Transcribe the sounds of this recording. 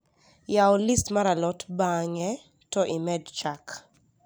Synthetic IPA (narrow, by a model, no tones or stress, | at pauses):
jaɔlistmaɾalɔtbaŋɛ | tɔʔimɛdt͡ʃak